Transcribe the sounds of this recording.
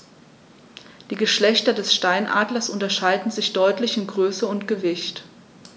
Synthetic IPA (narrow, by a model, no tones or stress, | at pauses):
d̥iːɡəʃlɛçtɐdɛsʃtaɪnʔa̰ːdlɐsʔʊntɐʃaɪdn̩zɪçd̥ɔʏtlɪçɪmɡʁøːsəʊntɡ̥əvɪçt